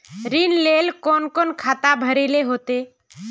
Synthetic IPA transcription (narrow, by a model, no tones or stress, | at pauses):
ɾinleːlkoːnkoːnkʰaːt̪abʱəɾeːleɦoːt̪eː